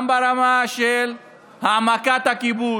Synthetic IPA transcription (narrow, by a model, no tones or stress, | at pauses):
mbaɾamaʃel | hamakat̪akibu